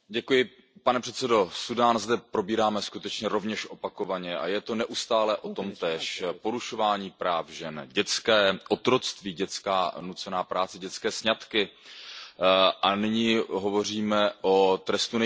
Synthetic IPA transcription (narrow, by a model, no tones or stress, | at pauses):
ɟɛkujɪ | panɛpr̝̥ɛt̪t͡sɛdo̞sudaːnzdɛpɾo̞biːɾaːmɛskut̪ɛt͡ʃɲɛɾo̞vɲɛʃʔo̞pako̞vaɲɛʔa̰jɛt̪o̞nɛʔust̪aːlɛʔo̞t̪o̞mt̪ɛːʃpo̞ɾuʃo̞vaːɲiːpɾaːfʒɛnɟɛt͡skɛːʔot̪ɾo̞t͡st̪viːɟɛt͡skaːnut͡sɛnaːpɾaːt͡sɛɟɛt͡skɛːsɲat̪kɪ | ʔanɪɲiɦo̞vo̞r̝iːmɛʔo̞t̪ɾɛst̪unɛ